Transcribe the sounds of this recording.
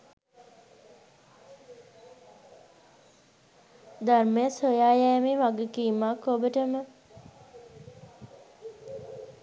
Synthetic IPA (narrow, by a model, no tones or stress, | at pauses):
d̪armejəsojaːjɛːmeʋaɡekiːmːakːobəʈəmə